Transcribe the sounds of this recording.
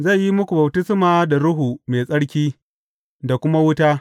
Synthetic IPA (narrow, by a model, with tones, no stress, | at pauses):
za˦˨jji˦mʊ˦kʷu˨bɐ˨btɪ˦smaː˨da˨ɽʊ˦ɦuː˨meː˨sʼɐ˦ɽkʲiː˦ | da˨kʷʊ˦ma˦wʊ˦taː˦